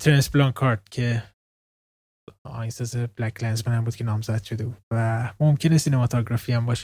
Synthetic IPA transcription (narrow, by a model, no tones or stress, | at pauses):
t̪ʰɾensblɒːŋkʰɒɾt̪̚cʰe̞ | ɒ̰ːjnsezeblækʰlænzmænæmbuːd̪kʰʲenɒːmzæd̪̥ʃod̪e̞bud̪̥væmomcʰe̞nesinemɒt̪ʰɒɡɾɒfiæmbɒːʃe̥